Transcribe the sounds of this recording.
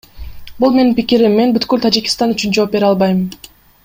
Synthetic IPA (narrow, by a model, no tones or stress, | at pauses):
bulˠme̞ninpikiɾimːe̞nbyt̪kylt̪ʰad͡ʒikʲi̥st̪ɑnyt͡ʃynd͡ʒo̞ːp̚be̞ɾɑlˠbɑjm